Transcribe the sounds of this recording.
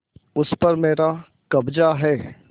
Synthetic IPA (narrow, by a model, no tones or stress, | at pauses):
ʊspɐɾmeːɾa | kɐbd͡ʒaɦɛː